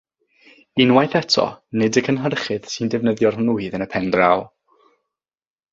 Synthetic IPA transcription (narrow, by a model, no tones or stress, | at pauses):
inwajθɛtʰɔ̰nɪdəkʰənɦərχɨð̥sɨndɛvnəðjɔrnuːɨðənəpʰɛndralˠ